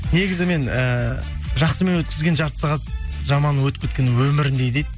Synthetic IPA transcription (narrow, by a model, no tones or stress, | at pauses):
ne̞ɡʲɪzɪme̞nə | ʒɑχsəme̞nwɵt̪kʲɪzɡʲe̞nʒɑɾt̪ə̥sɑʁɑt̪̚ʒɑmɑnəwɵt̪ɪpkʲʰet̪̚kʲe̞nɪwɵmɪɾɪnd̪ejd̪ejd̪